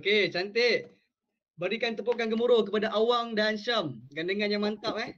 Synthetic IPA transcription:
oket͡ʃant̪e | bəɾikant̪əp̬oʔkank̬əmuɾʊhkəpadaʔawaŋdansəmɡandəŋanjaŋmant̪aʔɛ

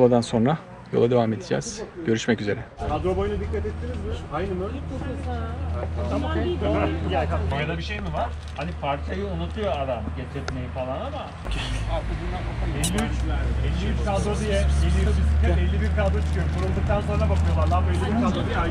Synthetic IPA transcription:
lˠad̪anso̞nɾa | jolˠad̪e̞vame̞d̪id͡ʒæ̰ːz̥ɟ̥ø̞ɾyʃmɛcyze̞ɾɛkʰad̪ɾo̞bojnud̪ikʰːat̪ɛt̪ʰːiɾizʲd̪iɾajnɯmɯoj̪ | amaajaajad̪abiʃejmivaɾ̥ | hanipʰaɾt͡ʃʰajɯonut̪ʰɯjoad̪amɟet͡ʃ̪ʰɛt̪mejifalˠanama | cʰiʃaɾt͡ʃad͡ʒɯaaɛlʲːiyt͡ʃlʲæɾɛlʲːibiɾkad̪ɾoijɛɛlʲːiiaɛlʲːibiɾkalˠd̪ɾat͡ʃʰɯ̥kʰɯjoɾumbunulˠd̪ɯk̚t̪ʰanso̞nɾabakʰɯjo̞lˠaɾd̪ab̪jlːʲibiɾkʰad̪ɾod̪ija

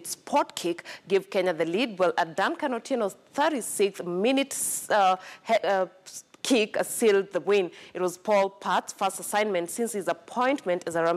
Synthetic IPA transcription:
tspʰɔtkʰikɡ̥ɪv̥kɛ̃ɲəðɨlid̚wɛlʔədãnkãnotʰiə̃nwɔz̥θɜ˞ɾisɪkθmɪnɪt | kʰikəsilˠd̚ðəwĩnɨt̚wʌz̥pʰɔlˠpʰatsfɜstəsãɪ̃nmɨ̃ntsĩnshizəpʰɔ̃ɪ̃ntmɨ̃ntɨzəɹa

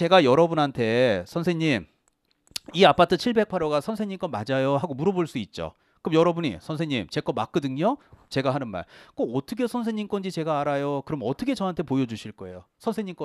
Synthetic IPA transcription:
t͡ɕe̞ɡajʌɾʌbunɦantʰe̞sʰʌnsʰeŋɲim | iapʰatʰɯt͡ɕʰiɭbe̞k̚pʰaɾoɡasʰʌnsʰeŋɲimk͈ʌnmad͡ʑajoɦaɡomuɾʌboɭs͈uit̚t͡ɕ͈o̰ | kɯmjʌɾʌbuɲḭsʰʌns̬ʰeŋɲimt͡ɕe̞k͈ʌmak͈ɯdɯŋɲʌt͡ɕe̞ɡaɦanɯnma̰ɭk͈oʌt͈ʰɯkʰesʰʌnsʰeɲimk͈ʌnd͡ʑit͡ɕe̞ɡaːɾajokɯɾʌmʌt͈ʰʌkʰe̞t͡ɕʌɦantʰe̞pojʌd͡ʑuɕʰiɭk͈ʌe̞̰josʰʌnsʰe̞ɲimk͈ʌ

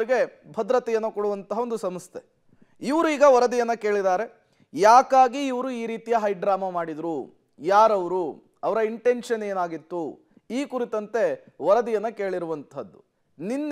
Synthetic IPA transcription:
ɾiɡe̞ | bʱɐd̪ɾɐt̪ɛjɐnːukoɽuʋɐnt̪ɐɦɐo̞nd̪usɐmɐst̪ʰe | iʋɾuiːɡɐʋɐɾɐd̪ijɐnːɐke̞ːɭid̪aːɾe̞ | jaːkaːɡiːʋɐɾuiːɾiːt̪ijɐɦɐjɖɾaːmɐmaːɽid̪ɾu | jaːɾɐʋɐɾu | ɐʋɐɾɐiɳʈe̞ɳʂɐne̞ːnaːɡit̪ːu | iːkuɾit̪ɐnt̪e̞ʋɐɾɐd̪ijɐnːɐke̞ːɭiɾuʋɐnt̪ʰɐd̪ːu | ninː

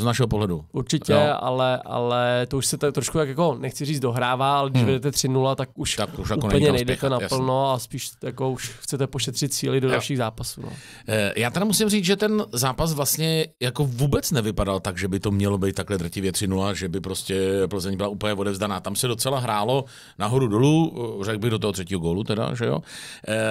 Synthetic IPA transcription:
znaʃɛɦopoɦlɛduʔuɾt͡ʃɪcɛa̰lɛʔa̰lɛt̪ouʃsɛt̪akt̪ɾoʃkut̪akjako̞nɛxt͡sɪriːt͡sd͡zdo̞ɦɾaːvaːalɛɡdɪʃvɛdɛt̪ɛt̪r̥ɪnulat̪akuʃt̪akuʃjakonɛpl̩ɲɛnɛjdɛt̪ɛnapllnoaspiːʃjakouʃxt͡sɛt̪ɛpoʃɛt̪r̝̥ɪt̪̚st͡siːlɪdodalʃiːɣzaːpasṵːnʔo̰ | jaːt̪ɛɾɪmusɪmriːt͡sʒɛt̪ɛnzaːpas̬vlast̪ɲɛjako̞vuːbɛt͡snɛvɪpadalt̪aɡʒɛbɪt̪omɲɛlobejt̪t̪ːaklɛd̪r̩cɪvjɛt̪r̝̥ɪnulaʒɛbɪpɾo̞scɛpl̩zɛɲbɪlaupəɲɛvo̞dɛvzdanaːt̪amsɛdo̞t͡sɛlaɦɾaːlo̞ | naɦo̞ɾudolurɛɡ̚bɪɣdot̪̬oɦot̪r̥ɛciːɦoɡoːlut̪ɛda̰ʒɛjo̰

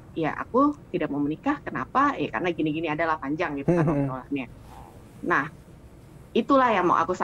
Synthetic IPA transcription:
ja̰ʔa̰kut̪idak̚maumənikahkəna̰pajaka̰rənaɡiniɡiniadalahpaɲd͡ʒaŋɡit̪uaaitola̰na | nah | it̪ulahjama̰ʔa̰kusa

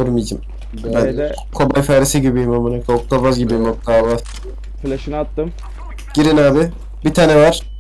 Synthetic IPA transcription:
ɯɾmid͡ʒam | bæn | kʰo̞bajfaːɾesiɟibimamanakʰok̚t̪ˠabazɟibimok̚t̪ʰˠaba | plʲʃnat̪ːɯm | ɟ̥iɾinaːbɪ | bit̪ʰaːnɛvaɾ̥

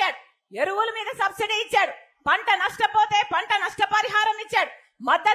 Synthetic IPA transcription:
aːɽu | eɾuwulumiːd̪ɐsɐbsiɖiːt͡ʃːaːɽu | pɐɳʈɐnɐʂʈɐpoːt̪e̞ːpɐɳʈɐnɐʂʈɐpɐɾiɦaːɾɐmit͡ʃːaːɽu | mɐd̪ːɐ

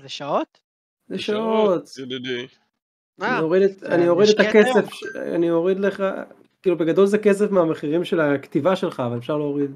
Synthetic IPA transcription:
zeʃaot | zeʃaot̪ | anioʁid̪eta̰nio̞ʁid̪et̪akesefa̰nioʁid̪leχa̰ | kiːlubeɡado̞lzeke̞sefmeameχiʁimʃe̞lakt̪ivaʃe̞lχaːvale̞fʃaʁleoʁid̪

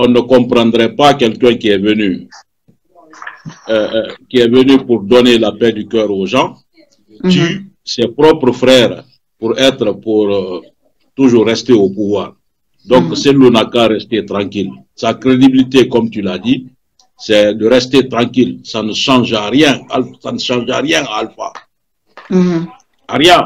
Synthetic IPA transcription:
ɔ̃nəkɔ̃pɾɑ̃d̪ɾɛpakɛlkɛ̃kiɛvəny | kʲiɛvənypuɾd̪ɔnelapɛd̪ykœːɾoʒɑ̃ | t̪y | sɛpɾɔpɾəfɾɛːʁ | puɾɛt̪ɾəpuɾ | t̪uʒuːrːɛst̪eopuvwaːʁ | d̪ɔ̃ksɛlonakaɾɛst̪et̪ɾɑ̃kil | sakɾed̪ibilit̪ekɔmt̪ylad̪i | sɛd̪əɾɛst̪et̪ɾɑ̃kilsanəʃɑ̃ʒaɾjɛ̃alsanəʃɑ̃ʒaʁjɛ̃alfa̰ | aɾjɛ̃

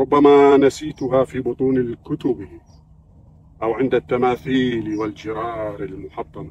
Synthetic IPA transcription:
ɾʊbːamaːnasiːt̪ʊɦaːfiːbʊt̪ˤuːnalkʊt̪ʊb | ʔawʕɪnd̪at̪ːamaːθiːlwald͡ʒɪɾɑːɾɪlmʊħɑt̪ˤːɑna

